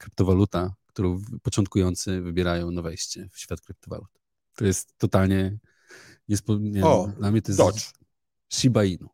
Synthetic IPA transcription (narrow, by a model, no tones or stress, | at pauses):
kɾɨpt̪ɔvalut̪akt̪uɾɔ̃wvpɔt͡ʂɔnt̪kujɔnt̪sɨvɘbʲjɛɾajɔ̃w̃navɛjɕt͡ɕɛfɕfʲjat̪kɾɨp̚t̪ɔva̰lut̪ | t̪ɔjɛst̪ːɔt̪alɲɛ | ɲɛspɔɲɛɔd̪lamɲɛt̪ɔjɛsd | ɕibainu